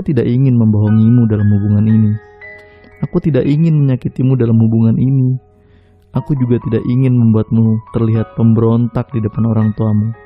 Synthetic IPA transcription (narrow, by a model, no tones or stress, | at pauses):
kut̪idakiŋɪnməmbaɦɔŋimudalamhubuŋanini | akut̪idakiŋɪnməɲakit̪imudalamhubuŋanini | ʔakud͡ʒuɡat̪idakiŋɪnməmbuat̪̚mut̪ərliɦat̪̚pəmbəɾont̪ak̚didəpanoɾaŋt̪uamu